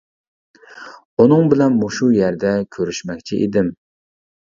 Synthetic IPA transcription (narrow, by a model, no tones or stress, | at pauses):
unɨŋbɪlɛnmuʃujæɾd̪ɛkʲʰøɾyʃmɛk̚ʲt͡ʃʰiʔḭd̪ɪm